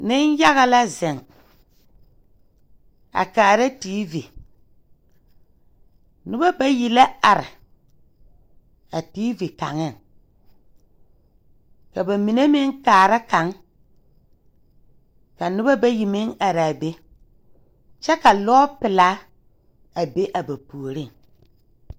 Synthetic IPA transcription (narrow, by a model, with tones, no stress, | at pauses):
nɪ˦n˦ja˦ɣa˦la˦zɪ˨ŋ | a̰˨kaː˨ɾa˦tiː˦vi˨ | nʊ˦ba˦ba˦ji˨la˦a˨ɾɪ̰˨ | a˨tiː˦vi˨ka̰˨ŋɪ˦˨ŋ | ka˨ba˨mi˨ne˦mɪ˦ŋkaː˨ɾa˦ka˨˦ŋ | ka˨nʊ˦ba˦ba˦ji˨mɪ˦ŋa˨ɾa˨be˦ | t͡ʃɛ˦ka˨lɔ˦pɪ˨la˦ | a˨be˦ʔa˨ba˨pu˨o˨ɾi˦˨ŋ